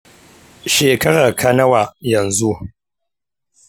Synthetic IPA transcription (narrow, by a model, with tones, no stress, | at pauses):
ʃeː˨kɐ˦ɽa˨kʰɐ˦nɐ˦wa˨jɐ˨nzu˦ʔ